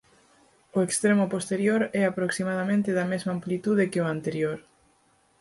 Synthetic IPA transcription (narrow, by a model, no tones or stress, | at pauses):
oekst̪ɾemʊpost̪eɾjoɾɛapɾoksimað̞amẽnt̪ɪðɐmezmaːmplit̪uðekɪoant̪eɾjoɾ